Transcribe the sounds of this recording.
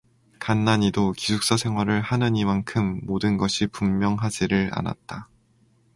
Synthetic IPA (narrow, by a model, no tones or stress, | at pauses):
kanːaɲidokisʰuk̚s͈ʌsʰe̞ŋɦwaɾɯɭhanɯɲimankʰɯmːodɯnɡʌɕʰipumːjʌŋɦad͡ʑiɾɯɭa̰na̰t̚t͈a